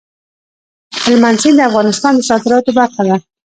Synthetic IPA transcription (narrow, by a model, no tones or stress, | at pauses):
hɪlmansild̪əafɣɑnɪst̪ɑnd̪əsɑt̪ɪɾɑt̪obaɾxad̪a